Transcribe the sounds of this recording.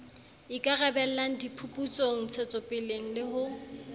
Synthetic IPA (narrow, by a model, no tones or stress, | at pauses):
ɪkʼarɛbɛl̩lan̩dipʰupʼut͡sʼoŋ̩t͡sʰet͡sʼɔpʼɪleŋ̩lɪɦʊ